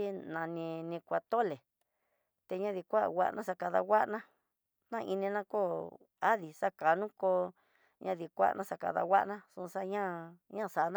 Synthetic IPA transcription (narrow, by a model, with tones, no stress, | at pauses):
i˦nã˨nĩ˧nĩ˧kʷa˧t̪o˦˨le˨ | t̪e˧ɲã˦ði˧kʷa̰˦˨wa̰˦˧nʔã˦sa˧ka˧ða̰˧wʷa˦ʔnã˦ | nã˦˧ʔi˧nĩ˧nã˦ko˦ | a˦ði˨sa˦ka˨nũ˦ko˧ | ɲã˧ði˧kʷa̰˦˧nʔã˦˧sa˧ka̰˧ða̰˧wʷa̰˦ʔnã˦su˧sa˦ɲã˦ɲã˦˨sa˨˧˦nã